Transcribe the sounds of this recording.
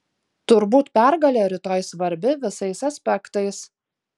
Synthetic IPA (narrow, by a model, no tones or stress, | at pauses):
t̪ʊɾbuːt̪pʲæɾɡɐlʲeːɾʲɪt̪oːjsʋɐɾʲbʲɪʋʲɪsɐɪsɐsʲpʲɛkt̪ɐɪs